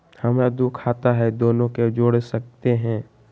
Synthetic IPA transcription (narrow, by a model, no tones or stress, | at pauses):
hɐmd̪ukʰaːt̪aɦɛd̪oːnõked͡ʒoːɽsɐk̚t̪eɦɛ̃ː